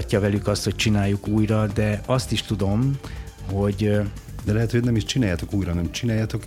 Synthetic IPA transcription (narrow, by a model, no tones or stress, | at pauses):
cːɒvɛlykɒst̪ho̞c̚t͡ʃinaːjːukuːjrɒd̪ɛɒst̪iʃt̪ud̪o̞m | ho̞ɟd̪ɛlɛɦɛt̪hojnɛmiʃt͡ʃinaːjat̪o̞kuːjɾɒnɛmt͡ʃinaːjat̪o̞k